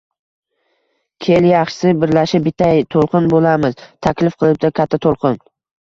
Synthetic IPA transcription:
kʲʰeljɑχʃɪ̥sɪbɪɾlaʃɪbɪt̪ʰajt̪ʰolˠqɨnbolamɪz̥t̪ʰakʲlɪfqʰɨlˠɪp̚d̪akʲʰat̪ʰːat̪ʰolˠqʰɨn

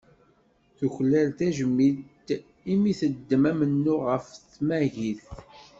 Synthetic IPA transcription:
θuçlːælt̪æʒəmːit̪ | imiθəd̪ːəmæmənːuʁəftmæʝiθ

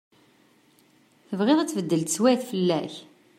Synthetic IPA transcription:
θəvʁeðˤæt͡sːvəd̪ːəlt̪swæθfəlːæç

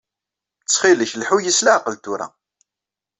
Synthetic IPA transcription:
t͡sːχiləçlħujəslaʕqəlt̪uɾa̰

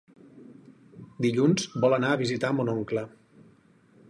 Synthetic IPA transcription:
d̪iʎunzbɔlˠənaəβizit̪amunoŋklə

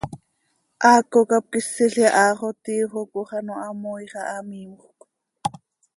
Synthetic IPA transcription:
ʔɑːkokɑp̚kisːiɬɛʔɑːχot̪iːχokoχɑnoʔɑmojχɑʔɑmimoχk

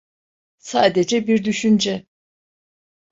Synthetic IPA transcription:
saːd̪ed͡ʒɛbiɾd̪yʃynd͡ʒɛ

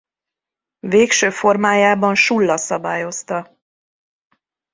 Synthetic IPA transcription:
veːkʃøːfo̞rmaːjaːbɒnʃulːɒsɒbaːjo̞st̪ɒ

